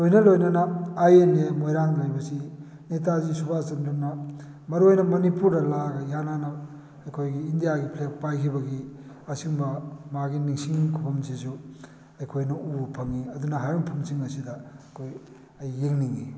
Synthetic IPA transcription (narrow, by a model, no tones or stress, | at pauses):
lojnɐlojnɐnɐajenemojɾaŋlajbɐsi | netazisubasɐndunɐ | mɐɾuojnɐmɐnipuɾdɐlaɡɐjananɐ | ɐjkʰojɡiːndijaɡipʰlek̚pajkʰibɐɡi | ɐsiŋbɐmaɡiniŋsiŋkʰupʰɐmsisu | ɐjkʰojnɐupʰɐŋiɐd̪unɐɦajuŋpʰumsiŋɐsidɐkʰoj | ɐjːeŋniŋi